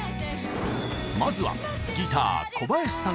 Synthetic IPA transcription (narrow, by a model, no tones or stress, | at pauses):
mazɨβa̰ | ɡʲit̪a̰ːkʰo̞bajaɕi̥sã